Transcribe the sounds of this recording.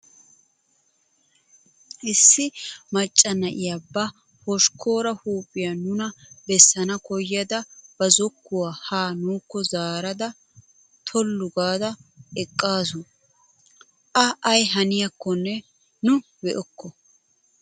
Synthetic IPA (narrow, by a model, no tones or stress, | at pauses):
ʔɪsːɪmɐt͡ʃʼːɐnɐʔɪjabːɐ | hɔʃkʰo̞ːɾɐhuːpʼːɪjɐnʊnɐbɛsːɐnɐkɔjːɐd̪ɐb̥ɐzɔkːʊwaːhaːnuːkːɔzaːɾɐd̪ɐ | t̪ʰɔlːʊɡaːd̪ɐɛkʼːaːsʊ | ʔɐʔɐjɦɐnɪjɐkːɔnːɛ | nʊ | bɛʔɔkːɔ